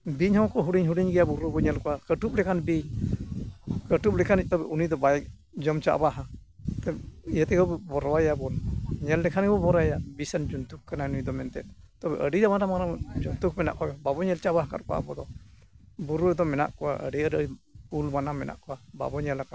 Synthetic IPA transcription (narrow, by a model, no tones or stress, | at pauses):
biɲhɔkɔɦuɖiɲɦuɽiɲɡɛjabuɾubɔɲɛlkɔwakəʈup̚lɛkanbiɲ | kəʈup̚lɛkʰanic̚ˀt̪ɔbɛʔunid̪ɔbajɛ | d͡ʒɔmt͡ʃa̰ʔbaɦat̪ɛijət̪ɛɡɔbbɔɾwajabɔnɲɛldɛkʰanɡɛbɔbɔɾajabisɛnd͡ʒunt̪ukkananuid̪ɔmɛnt̪ɛ̰t̪̚ | t̪ɔbɛ̰ʔəɖiɾamanamanamd͡ʒɔnt̪uk̚mɛna̰ʔkɔbɛbabɔɲɛlt͡ʃaʔbahka̰ɾkɔa̰bɔd̪ɔ | buɾuɛd̪ɔmɛna̰ʔkɔwa̰ʔə̰ɖiəɾəipulmanamɛna̰ʔkɔwaba̰bɔɲalaka